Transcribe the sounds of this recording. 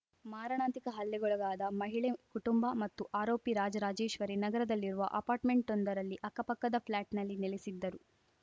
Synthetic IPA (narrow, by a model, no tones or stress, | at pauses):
maːɾɐɳaːt̪ikɐɦɐlːɛɡɔɭɐɡaːd̪ɐmɐɦiɭekuʈumbɐmɐt̪ːuʔaːɾoːpiɾaːd͡ʒɐɾaːd͡ʒe̞ːʃʋɐɾenɐɡɐɾɐd̪ɐlːiɾuʋɐ̰ʔɐpaːɾʈmeɳʈond̪ɐɾɐlːiʔɐkɐpɐkːɐd̪ɐpʰlaːʈnɐlːinelisid̪ːɐɾu